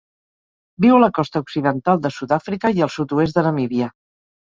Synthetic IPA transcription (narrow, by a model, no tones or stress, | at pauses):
biwələkɔst̪əuksiðənt̪alˠd̪əsut̪afɾikəiəlˠsut̪uez̬d̪ənəmiβiə